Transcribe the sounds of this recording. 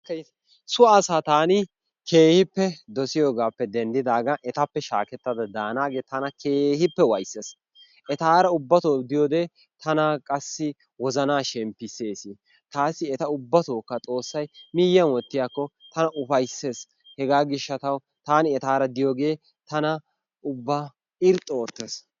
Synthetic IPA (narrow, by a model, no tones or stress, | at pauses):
sʊɐsaːt̪aːnɪ | kʰe̞ːhɪpːɛd̪ɔsɪjoːɡaːpːɛd̪ɛnd̪ɪd̪aːɡɐʔɛt̪ɐpːɛʃa̰ːkɛt̪ːɐd̪ɐd̪aːnaːɡeːt̪ɐnɐkʰeːhɪpːɛwɐjsːeːs | ʔɛt̪aːɾɐʊbːɐt̪oːd̪ɪjoːd̪eː | t̪ʰɐnakʼɐsːɪ | wɔzɐnaːʃɛmpːɪse̞ːsɪ | t̪aːsːɪɛt̪ɐʊbːɐt̪oːkːɐt͡sʼo̞ːsːɐjmɪjːɐnwɔt̪ːɪjaːkːɔt̪ɐnɐʔʊfɐjsːe̞ːs | hɛɡaːɡɪʃːɐt̪ɐw | t̪aːnɪɛt̪aːɾɐd̪ɪjoːɡe̞ː | t̪ɐnɐ | ʊbːa | ɪɾt̪ʼːoːt̪ːes